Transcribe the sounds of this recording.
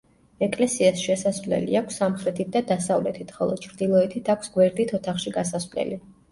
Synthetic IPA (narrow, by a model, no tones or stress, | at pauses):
ɛkʼlɛsiasʃɛsasvlɛ̰lḭakʷʰsːamχɾɛt̪ʰit̪̚d̪ad̪asavlɛt̪ʰit̪χɔlˠɔ̰d̪̥̚t͡ʃʰɾd̪ilˠɔɛt̪ʰit̪ʰakʷʰsɡwɛɾd̪it̪ʰɔt̪ʰaχʃiɡasasvlɛ̰li